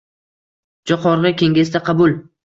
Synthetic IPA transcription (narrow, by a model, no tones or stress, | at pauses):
d͡ʒɒqʰɒɾʁɨkʲeŋɡʲesd̪aqʰɑbʊlˠ